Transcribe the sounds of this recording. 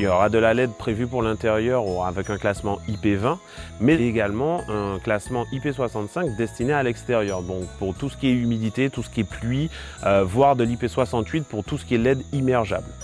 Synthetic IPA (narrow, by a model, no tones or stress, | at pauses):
jɔʁad̪əlalɛd̪̚pχevypuʁlɛ̃t̪eʁjœʁuʁaːvɛkɛ̃klasmɑ̃ipevɛ̃ | mɛeɡalmɑ̃ɛ̃klasmɑ̃ʔipeswasɑ̃t̪sɛ̃kd̪ɛst̪inealɛkst̪eʁjœʁd̪ɔ̃kpuʁt̪usə̥kʲiɛymid̪it̪et̪usə̥kʲiɛplɥi | øvwaʁd̪əlipeswasɑ̃t̪ɥit̪̚puʁt̪usə̥kʲiɛlɛd̪imɛʁʒa̰bl